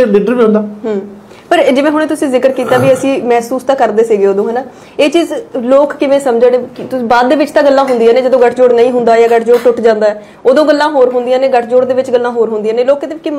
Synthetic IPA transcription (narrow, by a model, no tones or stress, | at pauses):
lɪɖəɾʋiːɦʊ̃nd̪aːɦəː | pəɾd͡ʒɪʋẽːɦʊɽ̃ẽːt̪̬ʊsĩːzɪkəɾkiːt̪aːʋiːəsĩːmɛːsuːst̪aːkəɾd̪eːsiːɡeːoːd̪õːɦɛːnaː | eːt͡ʃiːzloːkkɪʋẽːsəmd͡ʒəɽet̪ʊibaːd̪̚ːeːʋɪt͡ʃt̪ãːɡəlːãːɦʊnd̪ijãːneːd͡ʒəd̪õːɡəʈʰd͡ʒoːɽnəĩːɦʊnd̪aːjaːɡəʈʰd͡ʒoːɽʈʊʈd͡ʒãːnd̪aːɛː | oːd̪õːɡəlːãːɦoːɾɦʊnd̪ijãːneːɡəʈʰd͡ʒoːɽd̪eːʋɪt͡ʃɡəlːãːɦoːɾɦʊnd̪ijãːneːloːkːd̪eːkɪ